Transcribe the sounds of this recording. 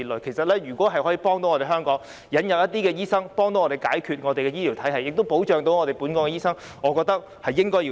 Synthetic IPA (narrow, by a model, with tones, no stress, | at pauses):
i˨lɵ˨jkʰe˨˩sɐ˨t̚lɛː˥jyː˨˩kʷɔː˨˥ɦɐ˨jhɔ˨˥jiː˧pɔː˥ŋt̪o˧˥wŋɔː˨˧ɾe˨jɦœː˥ŋkɔː˨˥ŋ | jɐ˨˧njɐ˨p̚jɐ˥t̪ːiː˥kɛː˧jiː˥sɐ˥ŋpɔː˥ŋt̪o˧˦ŋɔː˧te˨jkaː˨˥jkʰyː˨˧t̚ŋɔː˨˧e˨jkɛː˧jiː˥li˨˩wt̪ʰɐ˨˥jhɐ˨jːɪ˨k̚t̪o˥wpo˨˥wt͡ʃœː˨ŋt̪o˨˧wŋɔː˨˧e˨jpuː˨˥nkɔː˧˥kɛ˧jiː˥sɐ˥ŋ | ŋɔː˨˧kɔː˧k̚t̪ɐ˥k̚ | hɐ˨jːɪ˥ŋkɔː˥ji˧